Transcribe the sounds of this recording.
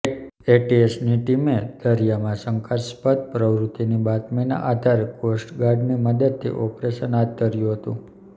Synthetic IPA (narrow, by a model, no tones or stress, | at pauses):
eʈiesniʈimed̪̥əɾijamãsəŋkʰaspəd̪̚pɾəʋɾut̪inibat̪məjna̰ʔad̪ʱaɾkosʈɡaɾɖniməd̪əd̪̚t̪ʰḭʔɔpɾesənat̪ːəɾjũɦət̪ũ